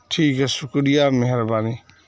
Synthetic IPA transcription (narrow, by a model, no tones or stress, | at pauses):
ʈʰiːkɦɛsʊkɽijameɦɛɾbaːni